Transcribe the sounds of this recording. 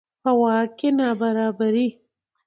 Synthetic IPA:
pəwɑːkenɑbaɾɑːbaɾi

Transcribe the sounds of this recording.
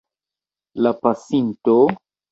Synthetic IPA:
lapasinto

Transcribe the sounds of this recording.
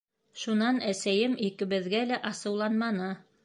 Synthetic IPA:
ʃunɑnæsæjɘmikɘ̆βɘ̆ðɡælæʔɑsɤ̆wlˠɑnmɑnɤ

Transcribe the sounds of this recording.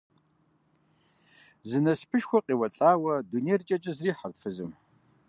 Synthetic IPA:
zɨnɐspʰɨʃxʷɐqʼiːwɐɬʼaːwɐdunejrt͡ʃʼɐt͡ʃʼɐzriːħartfɨzɨm

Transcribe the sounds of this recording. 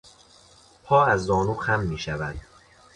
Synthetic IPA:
pʰɒːæzːɒːnuːxæmːiːʃævænd̪

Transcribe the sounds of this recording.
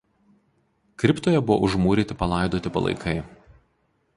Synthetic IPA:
kɾʲɪpt̪oːjɛbʊʋo̰ʔʊʒmuːɾʲiːt̪ʲɪpɐlˠɑˑɪd̪oːt̪ʲɪpɐ̰lˠɐ̰ɪkʰɐɪ

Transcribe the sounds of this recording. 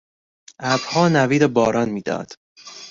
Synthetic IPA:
ʔæb̥hɒːnæviːd̪obɒːɾɒːnmiːd̪ɒ̰ːd̪̥

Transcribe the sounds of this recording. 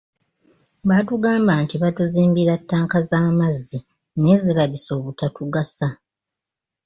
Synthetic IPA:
batuɡaːmbaːntiβatuziːmbiɾatːaːŋkazaːmazːi | ne̞ːzilaβiso̞ːβutatuɡasa

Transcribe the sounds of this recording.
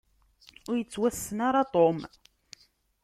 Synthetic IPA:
ʊɾjət͡sːwæsːənaɾat̪ˤom

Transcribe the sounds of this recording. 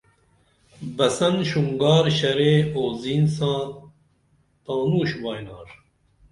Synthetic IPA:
bɐsɐnʃuŋɡɑːɾʃɛɾeːoːziːnsɑ̃ː | t̪ɑːnuːʃvɑːjnɑːɾ

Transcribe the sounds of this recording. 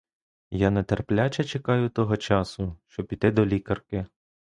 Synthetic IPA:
janɐt̪erplʲat͡ʃɐt͡ʃekɑjʊt̪ɔɦɔt͡ʃɑsʊʃt͡ʃɔpʲit̪ɪd̪ɔlʲikɐrkɪ

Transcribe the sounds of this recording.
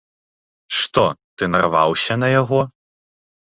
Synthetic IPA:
ʂt̪ɔt̪ɨnɐrva̰wsʲɐnɐjaɣɔ

